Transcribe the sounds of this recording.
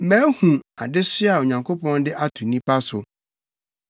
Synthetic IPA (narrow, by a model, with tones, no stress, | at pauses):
mæ̃ː˦hũ˨a˨dɪ˦sɪ˦a˨o˨ɲã˨ŋkʰo˦pɔ̃˦ndɪ˦ʔa˦tʰu˨nĩ˦pʰa˦sʊ˨